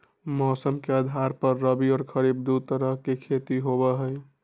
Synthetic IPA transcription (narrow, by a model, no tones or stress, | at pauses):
mɔːsəmkeəd̪ʱaɾpəɾːəbiɔːɾkʰəɾibd̪ut̪əɾəɦkekʰet̪iɦobəɦəj